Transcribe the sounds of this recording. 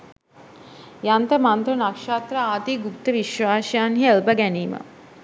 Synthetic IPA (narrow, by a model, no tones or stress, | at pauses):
jant̪əmant̪ɾənakʃaːt̪rəaːt̪iːɡuk̚t̪əʋiʃʋaːʃɐjanɦiəlbəɡæniːmə̰